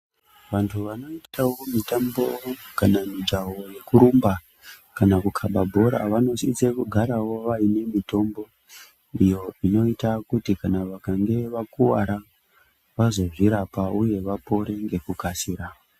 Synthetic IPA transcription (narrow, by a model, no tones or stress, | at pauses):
ʋantʰuʋano̞itawo̞mitambo̞kanamid͡ʒawo̞je̞kuɾumba | kanakukʰaɓabʱo̞ɾa̰ʋano̞sit͡sekuɡʱaɾawo̞ʋaine̞mito̞mbo̞ | ijo̞ino̞itakutikanaʋakaŋɡe̞ʋakuwa̰ɾa | ʋazo̞ʐiɾapauje̞ʋapo̞ɾe̞ŋɡe̞kukasiːɾa